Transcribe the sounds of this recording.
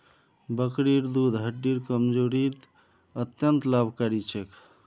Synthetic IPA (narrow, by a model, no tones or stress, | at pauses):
bəkɽiɾd̪ud̪ʱɦəʈːiɾkəmd͡ʒoɾit̪ | ət̪jənt̪labʱkaɾit͡ʃʰek